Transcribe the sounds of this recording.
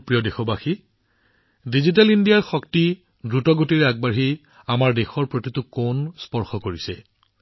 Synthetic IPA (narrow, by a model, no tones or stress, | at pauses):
pɹijɔdexɔbaxi | dizit̬alindijaɹxɔkti | dɹutɔɡotiɹaɡ̚baɦi | amaɹdexɔɹpɹotitʊkonspɔɹxɔkoɹisɛ̰